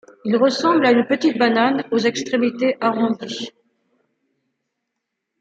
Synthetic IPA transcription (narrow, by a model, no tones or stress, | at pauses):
ilʁəsɑ̃blaynpət̪it̪̚bananozɛkst̪χemit̪eʔaʁɔ̃d̪i